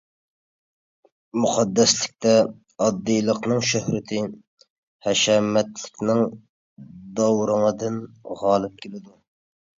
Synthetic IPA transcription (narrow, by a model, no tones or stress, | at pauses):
muqʰɑd̪ːɛslɪk̚ʲt̪ʰɛ | ɑd̪ːɨjlˠəqnɨŋʃøhɾɪt̪ʰɪ | hɛʃɛmɛt̪lɪkʲnɪŋ | d̪ɑwɾəŋəd̪ɨnʁɑːlˠɨp̚kʲelɪd̪u